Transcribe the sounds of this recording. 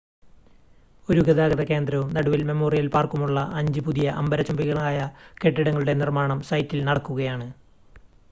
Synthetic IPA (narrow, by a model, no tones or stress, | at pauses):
o̞ɾuɡɐðaːɣɐðɐke̞ːnd̪ɾɐumnɐɽuʋilme̞mo̞ːrijɐlpaːrkumuɭːɐʔɐɲd͡ʑɨpuðijɐʔɐmbɐɾɐt͡ɕumbiɣɐɭaːjɐke̞ʈːiɽɐŋːɐɭuɽe̞nirmaːɳɐmsɐjtːilnɐɽɐkːuɣɐjaːɳɨ